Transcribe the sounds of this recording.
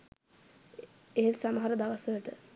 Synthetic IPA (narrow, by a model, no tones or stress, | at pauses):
eɦesaməɦaɾəd̪aʋasəəʈə